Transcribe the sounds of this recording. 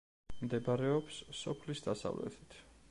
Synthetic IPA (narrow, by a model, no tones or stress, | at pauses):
md̪ɛbaɾɛɔpsːɔpʰlisd̪asa̰vlɛ̰t̪ʰi̥t̪ʰ